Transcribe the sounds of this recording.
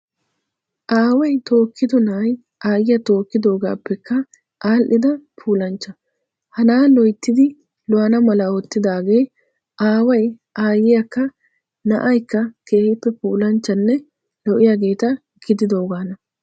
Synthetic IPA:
ʔaːwɐjt̪o̞ːkʰːɪd̪ɔnɐɐj | ʔaːjɪjɐt̪o̞ːkːɪd̪o̞ːɡaːpːɛkːɐ | ʔaːlʔɪd̪ɐpʰuːlɐnt͡ʃːɐ | hɐnaːlɔjt̪ːɪd̪ɪ | lɔɐnɐmɐlɐɔt̪ːɪd̪aːɡe̞ː | ʔaːwɐj | ʔaːjɪjɐkːɐ | nɐ̰ʔɐjkːɐke̞ːhɪpːɛpuːlɐnt͡ʃːɐnːɛ | lɔʔɪjaɡe̞ːt̪ɐ | ɡ̥ɪd̪ɪd̪o̞ːɡaːnɐ

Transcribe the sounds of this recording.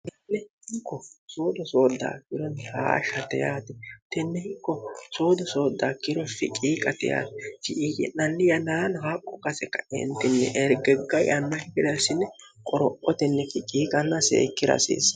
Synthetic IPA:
ʔɛnːɛhɪkːɔso̞ːd̪ɔsoːd̪ːa̰ːkɪɾɔnːɛha̰ːʃɐt̪ɛjaːt̪ɛt̪ɛnːɛhɪkːɔso̞ːd̪ɔso̞ːd̪ːaːkɪɾɔfɪ̰kʼiːkʼɐt̪ɛ̰ja̰ːt̪ɛt͡ʃɪʔijɛ̰nɐnːɪjɐnaːnɔhaːkʼːɔkɐsɛkːɐɛ̰nt̪ːɪnːɛ̰ʔɛɾɡɛɡːɐjɐnːɐhɪkɪd̪ɐsɪnːɛkʼɔɾɔʔɔt̪ɛnːɛkɪkʼiːkʼɐnːɐsḛːkːɪɾɐ̰sḛːs

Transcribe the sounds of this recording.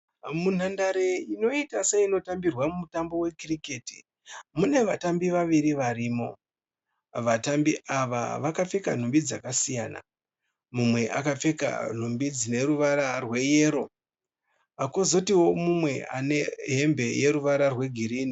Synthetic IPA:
mun̤andaɾeino̞itaseino̞tambirwamumutambo̞we̞kiriketi̥ | mune̞ʋatambiʋaʋiɾiʋaɾiːmo̞ | ʋatambiʔaʋa̰ʋakap͡fe̞kan̤umbid͡zakasijaːna̰ | mumwe̞ʔa̰kap͡fe̞ka̰n̤umbid͡zine̞ɾuʋaɾarwe̞je̞ːɾo̞ | akozotiwo̞mumwe̞a̰ne̞ɦe̞mbe̞je̞ɾuʋaɾarwe̞ɡʱiɾiːni

